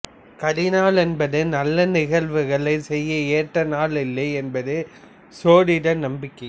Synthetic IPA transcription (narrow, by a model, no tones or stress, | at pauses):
kɐɾɪnaːlɛnbɐðɯnɐlːɐnɪɣɐɭʋɯɣɐɭɐɪsɛjːɐeːʈrɐnaːlɪlːɐɪɛnbɐðɯ | soːɽɪɽɐnɐmbɪkːɐɪ